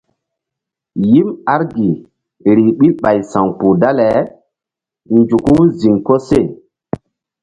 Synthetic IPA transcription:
ji˦ma˦ɾɡi˨ | ɾi˨ɓi˦lɓa˨jsa˨ŋpu˨da˦lɛ˨ | nd͡ʒu˨ku˦zi˨ŋko˦se˦˨

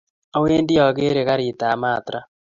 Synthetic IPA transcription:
a˦weː˦ndi˦ɔ˨ɣeː˦ɾe˨ɣa˦ɾiː˨ta˨maː˦˨tɾa˦

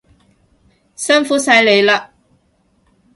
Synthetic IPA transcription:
sɐ˥nfuː˨˥sɐ˧jle˨˧jlaː˧

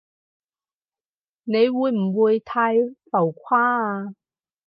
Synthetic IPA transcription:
ne˨˧jwuː˨˧jm̩˨˩wuː˨˧jt̪ʰaː˧jfɐ˨˩wkʷʰwaː˥aː˧

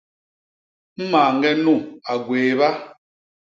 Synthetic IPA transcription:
m̩˦ma˨ŋ˦ɡɛ˦nu˦˨a˨ɡweː˨βa˦

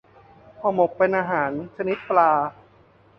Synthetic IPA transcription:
pʰɔː˧˩mo˨˩k̚pe˧nʔaː˧ɦaː˩˦nt͡ɕʰa˧ni˦˥t̪̚plaː˧

